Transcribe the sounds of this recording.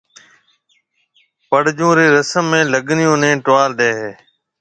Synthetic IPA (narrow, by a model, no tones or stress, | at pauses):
pəɽ̤d͡ʒũːɾeːɾəsəmːẽːləɠnɪjõːnẽːʈʋaːlɗ̪eːɦeː